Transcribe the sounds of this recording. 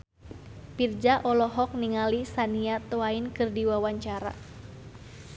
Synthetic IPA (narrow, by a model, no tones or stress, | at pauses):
pird͡ʒaʔɔlɔɦɔk̚niŋalisaniat̪oainkɨrdiwawaɲt͡ʃaɾa̰